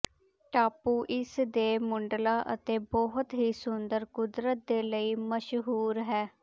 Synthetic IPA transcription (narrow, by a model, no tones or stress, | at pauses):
ʈaːpuːʔɪsd̪eːmʊɳɖlaːʔət̪eːbɔːɦʊt̪ɦiːsʊnd̪əɾkʊd̪ɾət̪̚d̪eːləiːməʃɦuːɾɦɛː